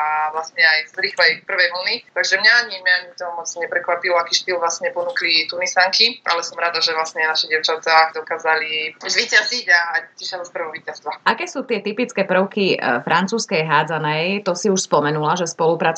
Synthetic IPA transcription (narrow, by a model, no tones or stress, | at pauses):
aʋlasɲɛajzɾiːxlɛjpr̩ʋɛjʋl̩nit̪aɡʒɛmɲaaɲimɛɲt̪ɔɦmɔt͡sɲɛpɾɛkʋapilɔakiːʃt̪ilʋlasɲɛpɔnuːklit̪unisaŋkiʔa̰lɛsɔmɾaːd̪aʒɛʋlasɲɛnaʃiɟɪɛʊt͡ʃat̪aːd̪ɔkaːzalizʋiːcaziɟaaciʃad̪ɔspr̩ɦɔʋiːcast̪ʋaʔakɛːsuːt̪ɪɛt̪ipit͡skɛpr̩ʊkifɾʔant͡suːskɛjɦaːd͡zanɛjt̪ɔsiuʃspɔmɛnulaʒɛspɔlupɾat͡s